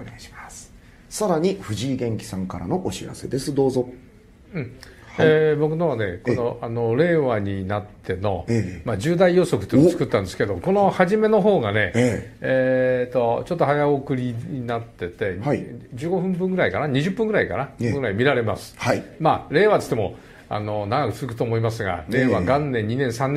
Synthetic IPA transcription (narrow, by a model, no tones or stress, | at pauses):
oneaɕi̥mas | saɾaɲ̟iɸɯ̟ʑiːɡẽ̞ŋkʲi̥sãŋkaɾa̰no̞ʔoɕiɾa̰se̞̰d̪e̞sɨd̪o̞ːzo̞ | ɯ̟̃ɴ | hebo̞kɯ̟noβane̞ko̞no̞ʔano̞ɾe̞ːβaɲ̟inat̪ʰːe̞no̞̰mad͡ʑɨːd̪aijo̞so̞kɯ̟t̪ːot͡sɨ̥kɯ̟t̪ːãnd̪e̞sɨ̥ke̞d̪o̞ko̞no̞haʑime̞no̞ɦo̞ːɡane̞eːt̪ːo̞t͡ɕo̞t̪ːo̞hajaokɯ̟ɾʲiɲinat̪ːe̞t̪e̞d͡ʑɨːɡo̞ɸɯ̟̃mbɯ̟̃ŋɡɯ̟ɾaikanaɲiʑɯpːɯ̃ŋɡɯɾaikanaɡɯɾaimʲiɾaɾe̞masɨ̥aimaːɾe̞ːβat̪o̥t̪emo̞̰ | a̰no̞naɡakɯ̟t͡sɨzɯkɯ̥t̪oːmo̞imasɨɡa̰ɾeːβaɡãnːẽ̞ɲ̟ɲːinẽ̞ɰ̃sãnː